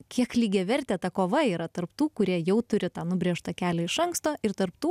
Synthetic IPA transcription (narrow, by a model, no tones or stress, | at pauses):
kʲiɛklʲiːɡʲɛʋʲɛɾʲt̪ʲɛːt̪ɐkoːʋɐiːɾɐt̪ɐrpt̪uːkʊɾʲiɛjɛʊt̪ʊɾʲɪt̪ɑːnʊbʲɾʲeːʃt̪ɐkʲæːlʲɛɪʃɐŋkst̪oːʔɪɾt̪ɐrpt̪uː